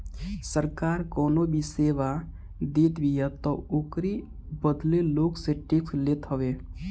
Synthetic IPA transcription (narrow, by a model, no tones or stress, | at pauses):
səɾkaːɾkɔːnobʱiseːʋa | d̪et̪bijat̪ɔoːkɾi | bəd̪leloːkseʈikslet̪ɦəʋe